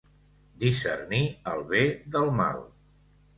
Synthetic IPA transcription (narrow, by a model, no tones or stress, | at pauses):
d̪isə̰rniəlˠβeðəlˠma̰lˠ